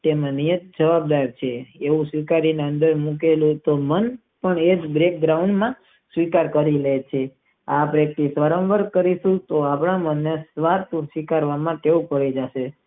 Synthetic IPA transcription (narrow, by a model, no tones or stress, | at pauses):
t̪emãnijət̪̚d͡ʒəʋab̚d̪aɾt͡ʃʰeːʋũsʋikaɾineənd̪əɾmuk̬elũt̪omən | pəɳed͡ʒbɾek̚ɡɾauɳɖmã | sʋikaɾkəɾilet͡ʃʰe | apɾek̚t̪isʋaɾə̃nʋəɾkəɾiʃũt̪oapɳamənːesʋaɾt̪sʋikaɾʋamãkeʋũpəɭid͡ʒaʃe